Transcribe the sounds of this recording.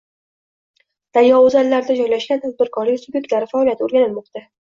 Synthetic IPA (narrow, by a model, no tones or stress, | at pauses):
d̪̥anjɒozallːaɾd̪ad͡ʒɒjlaʃɡʲant̪ʰad̪̚bɪɾkʰɒɾlɪksʊbʲjek̚ʲt̪laɾɪfaːlijat̪ʰoɾɡʲanɪlmɒqt̪a